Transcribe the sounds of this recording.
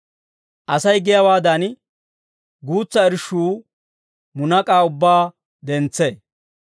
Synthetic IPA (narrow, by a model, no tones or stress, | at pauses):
ʔɐsɐjɡɪjɐwaːd̪ɐn | ɡuːt͡sːɐɪɾʃuː | mʊnɐkʼaːʊbːaː | d̪ɛnt͡sːe